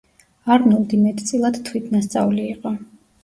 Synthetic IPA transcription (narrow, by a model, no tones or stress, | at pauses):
aɾnulˠd̪imɛt̪ʰt̪sʼilˠad̪t̪ʰwit̪ʰnast̪sʼa̰vliːqʼɔ